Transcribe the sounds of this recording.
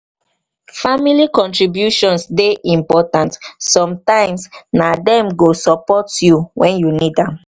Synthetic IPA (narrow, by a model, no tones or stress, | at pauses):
familikɔ̃ntɹibjuʃɔ̃nsdeʔĩmpɔtãntsɔ̃mtãɪ̃msnadɛ̃mɡosɔpɔtjuwɛ̃njunidãm